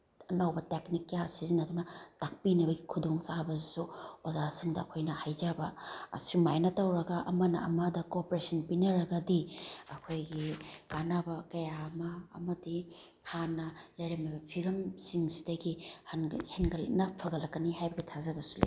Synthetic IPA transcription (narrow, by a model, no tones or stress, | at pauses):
ɐnɐwbɐteknikːjasiziŋnɐdunɐtak̚pinɐbɐɡikʰudoŋsabɐzisuozasiŋdɐːkʰojnɐhajzabɐ̰ːsimajnɐtɐwɾɐɡɐʔɐmɐnɐ̰ɐmɐdɐkopoɾesɐnpinɐɾɐɡɐdiɐkʰojɡikanabɐkɐjamɐ̰ːmɐdi | hʰanɐlɐjɾɐmɐbɐpʰiɡɐmsiŋsi̥dɐɡihnhenɡɐlḭnɐpʰɐɡɐlːɐkːɐnihajbɐɡitʰazɐbɐsu̥lḛ